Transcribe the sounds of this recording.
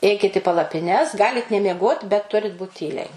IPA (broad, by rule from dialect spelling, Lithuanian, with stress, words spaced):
ˈɛɪkʲɪt ɪ pɐlˠɐpʲɪˈnʲɛs ˈɡɑːlʲɪt nʲɛmʲiɛˈɡoːt bʲɛt ˈtʊrʲɪt buːt ˈtʲiːlʲɛɪ